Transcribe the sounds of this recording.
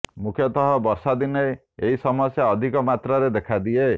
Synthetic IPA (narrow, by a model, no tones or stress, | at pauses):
mukʰjɔt̪ɔɦɔbɔɾsad̪ine | eɦisɔmɔsjaɔd̪ʱikɔmat̪ɾɔɾed̪ekʰad̪ie